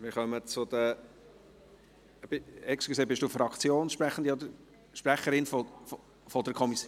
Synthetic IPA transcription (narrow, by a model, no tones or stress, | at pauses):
mɪɾχœmət͡sʊd̪ə | b̥ɪɛkskeseːbɪʃd̥uːfɾɑkt͡sjoːnʃpɾæχːən̩d̪iɔd̪əɾ | ʃpɾæχəɾɪnfɔ | fɔd̪əkʰɔmis